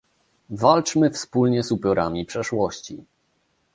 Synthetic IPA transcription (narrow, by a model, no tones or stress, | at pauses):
valt͡ʂmɘfspulɲɛzupʲjɔɾamʲipʂɛʂwɔɕt͡ɕi